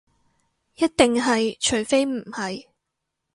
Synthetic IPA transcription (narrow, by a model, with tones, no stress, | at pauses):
jɐ˥t̚t̪ɪ˨ŋɦɐ˨jt͡ʃʰɵ˨˩ɥfe˥jm̩˨˩hɐ˨j